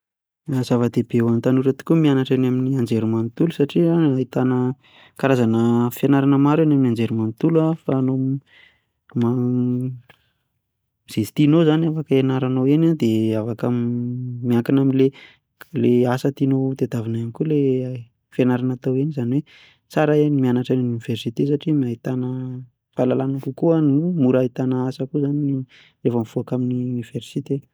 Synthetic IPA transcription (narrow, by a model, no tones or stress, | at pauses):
az̥avəd̪ebewant̪anuɾət̪u̥kʲumianaʈ͡ʂanaminiand͡ʒeɾumant̪ulusaʈ͡ʂiait̪anə | kaɾazanəfjanaɾanəmaɾanaminiand͡zeɾumant̪ulafaːno | ma | iz̥esi̥t̪inozanafakəenaɾanawenad̪eavakə | miaŋkinaminle | leasət̪inot̪ed̪avinaamikule | fenaɾanat̪awenizaniwe | t͡saɾaenimianaʈ͡ʂanununiv̥ersit̪es̬aʈ͡ʂimiait̪anə | falalanakukuanumuɾait̪anəasəkuzani | refəmfuakaminiuniv̥ersit̪e